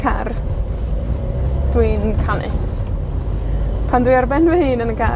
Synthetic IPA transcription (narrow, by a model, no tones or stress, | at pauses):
kʰa̰r | d̥winnkʰanɪ̰ | pʰandwijarbɛnvɛhɨːnənkʰa